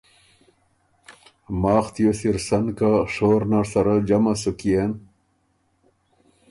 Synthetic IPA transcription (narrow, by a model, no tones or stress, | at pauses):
maːχt̪josiɾsɐnkaʂoːɾnaɾsɐɾad͡ʑɐmasukijen